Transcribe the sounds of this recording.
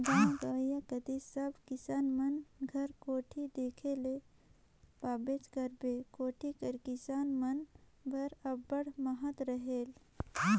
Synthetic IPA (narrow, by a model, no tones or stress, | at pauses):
d̪ãːɡəːjakəd̪isəbkɪsaːnmənɡʱəɾkoːʈʰid̪eːkʰele | paːbet͡ʃkəɾbekoːʈʰikəɾkɪsaːnmənbəɾəbːəɽməɦət̪ɾəɦeːl